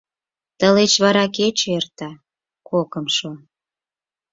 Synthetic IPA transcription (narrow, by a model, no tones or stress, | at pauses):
t̪əlet͡ɕβɑɾɑket͡ɕert̪ɑ | kokəmʃo